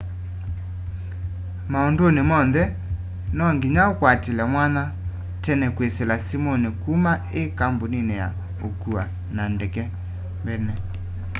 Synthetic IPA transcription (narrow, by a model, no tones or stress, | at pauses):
maondonemɔnðɛ | nɔŋɡiɲaokwatelɛmwana | tɛnɛkweselasimɔnekuma | ekamboninɛja̰ | o̰kua | nandɛkɛ | mbɛnɛ